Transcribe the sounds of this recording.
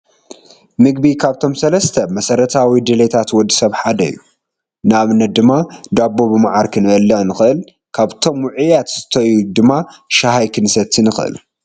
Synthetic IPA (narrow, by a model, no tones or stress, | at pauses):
mɨɡbikʰaβt̪ʰo̞msɐlɐst̪ʰɐmɐsɐɾɐt̪ʰawid̪ɨlet̪ʰat̪wɔd̪ːisɐβħad̪ɐjːu | naβnːɐt̪̚d̪ɨmːad̪abːo̞bɨmaʕaɾkʰɨnɐlːɐnɨxɨʔɨl | kʰaβt̪ʰo̞mwʊʕujat̪z̥ɨt̪ʰɐjud̪ɨmːaʃaɦajkʰɨnɨsɐt̪ʰːinɨxɨʔɨ̰l